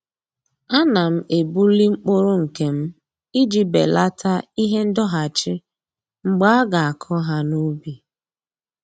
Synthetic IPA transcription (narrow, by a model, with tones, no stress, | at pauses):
a˦na˨m̩˦e˨bu˦li˦ŋ͡m̩˦k͡po˦ɾo˦ŋ̩˨ke˨m̩˦ | i˦d͡ʒi˦be˨la˦tʰa˦i˦ɦe˦n̩˦dɔ˦ɦa˨t͡ʃɪ˦ | ŋ͡m̩˦ɡ͡ba˦a˦ɡa˨a˨kʰɔ˦ɦa˦nu˦bi˨